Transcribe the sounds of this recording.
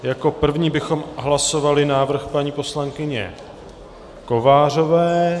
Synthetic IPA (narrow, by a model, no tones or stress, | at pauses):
jako̞pr̩vɲiːbɪxo̞mɦlaso̞valɪnaːvr̩xpaɲiːpo̞slaŋkɪɲɛ̰ | ko̞vaːr̝o̞vɛː